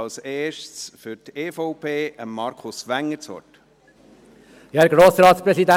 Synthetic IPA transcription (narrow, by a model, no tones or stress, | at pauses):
ɑlseːʃtsfʏɾteːfɔʊpʰeːʔəmːɑɾkʰʊsʋæŋːəɾt͡sɔ̰t | jɑɡɾoːsɾɑːtsprɛsidæ